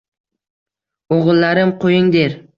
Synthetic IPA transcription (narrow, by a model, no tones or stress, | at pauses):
oʁɨlˠːaɾɪmqʰojɪŋd̪eɾ